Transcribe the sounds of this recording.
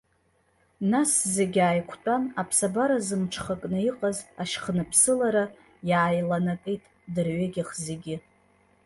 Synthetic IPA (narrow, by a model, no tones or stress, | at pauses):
nasze̞ɡʲaːjkʷʰtʼanapʰsabaɾazɨmʈ͡ʂʰχakʼnɨiqʼazaʃχnɨpʰsɨlaɾa | jaːjlanakʼijtʼ | dɨrɥeɡʲɪχzeɡʲɪ